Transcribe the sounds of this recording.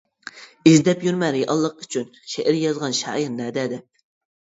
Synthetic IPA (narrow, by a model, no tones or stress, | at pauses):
izd̪ɛpjyɾmɛɾɪjʔɑlˠːəqyt͡ʃʰynʃeʔɪɾjɑzʁɑnʃɑ̰ːjiɾnɛːd̪ɛd̪ɛp̚